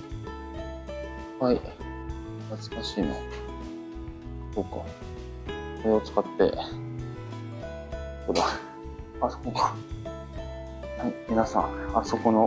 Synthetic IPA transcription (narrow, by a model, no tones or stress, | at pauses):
hai | nat͡sɨ̥kaɕiːno̰ | soːka | koɾe̞ot͡sɨ̥kat̪ːe̞̰ | kod̪a | asok | haimʲinasãaso̞ko̞no̞